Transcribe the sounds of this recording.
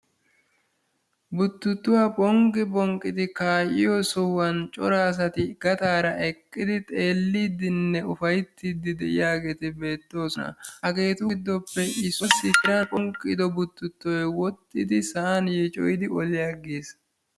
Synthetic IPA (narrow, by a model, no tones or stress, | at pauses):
bʊt̪ːʊt̪ːʊwaːpʼɔŋɡɪbɔŋkʼːɪd̪ɪkaːʔɪjɔsɔwɐnt͡ʃʼɔ̰ɾaːs̬ɐt̪ɪɡ̥ɐt̪aːɾɐʔɛkʼːɪd̪ɪt̪ʼe̞ːlːiːd̪ɪnːɛʊfɐjt̪ːiːd̪ɪd̪ɛʔɪ̰jaːɡe̞ːt̪ɪbe̞ːt̪ːo̞ːsɔnɐ̰hɐɡe̞ːt̪ʊd̪ːɔpːɛʔɪsɔsɪkɪɾapʼɔŋkʼːɪd̪ɔbʊt̪ːʊt̪ːɔjwɔt̪ʼːɪd̪ɪsɐʔɐnjɛt͡ʃʼɔ̰jɪd̪ɪʔɔlɪjaɡeːs